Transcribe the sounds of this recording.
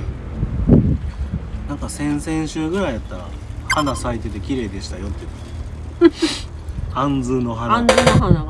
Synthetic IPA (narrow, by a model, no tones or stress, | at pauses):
nãŋkasẽ̞ɰ̃sẽ̞ɰ̃ɕɨːɡɯ̟ɾajat̪ːaɾa | hanasait̪e̞t̪ekʲiɾe̞ːd̪e̞ɕi̥t̪ajo̞t̪ːet̪ː | hãnd͡zɨːno̞ɦana